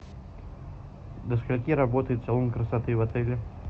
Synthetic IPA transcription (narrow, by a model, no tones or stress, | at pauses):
d̪əskalʲkʲiɾabɔt̪ɨjt̪salˠɔmkɾəsat̪ɨjvat̪ɛlʲɪ